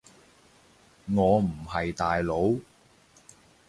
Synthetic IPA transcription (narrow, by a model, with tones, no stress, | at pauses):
ŋɔː˨˧m̩˨˩hɐ˨jt̪aː˨jlo˨˧˥w